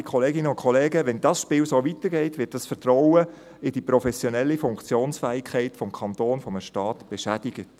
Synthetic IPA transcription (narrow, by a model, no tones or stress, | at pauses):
kʰɔleːɡɪnəʊnkʰχɔleːɡəʋɛnd̥ɑsʃpɪːlsoːʋitəɡɛɪtʋɪːt̚d̥ɑsfəɾtrɔwə | ɪd̥ipɾɔfɛsjɔnɛlːifʊŋkt͡sjoːnsfæːɪkʰæɪtfɔmkʰɑntoːnfɔməʃtɑːtb̥ɛʃæd̥ɪɡət